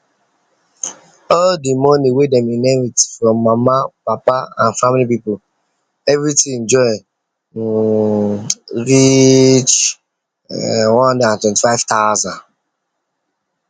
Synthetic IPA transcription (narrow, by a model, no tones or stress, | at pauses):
ɔldimɔniwedɛ̃minẽmitfɹɔ̃mːamapapaãnfamilipipol | ɛvɹitĩɛ̃nd͡ʒɔɪ | ɹit͡ʃ | wɔ̃nhɔ̃ndãntwɛ̃nti̥faɪv̥tazãn